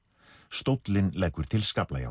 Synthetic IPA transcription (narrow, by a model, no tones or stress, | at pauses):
st̪owt̪lɪnlɛjkːʏɾ̥t̪ʰɪlskaplaja̰